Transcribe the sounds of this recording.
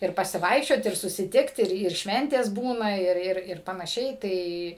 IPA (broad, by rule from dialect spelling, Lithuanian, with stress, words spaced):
ɪr pɐsʲɪˈʋɐɪkʃʲt͡ʃʲoːt ɪr sʊsʲɪˈtʲɪkt ˈɪr ɪr ˈʃʲʋʲɛnʲtʲeːs ˈbuːnɐ ˈɪr ˈɪr ɪr pɐnɐˈʃʲɛɪ ˈtɐɪ